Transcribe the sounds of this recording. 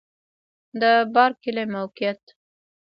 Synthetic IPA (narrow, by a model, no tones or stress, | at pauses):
d̪əbɑɾkɪlemawkijat̪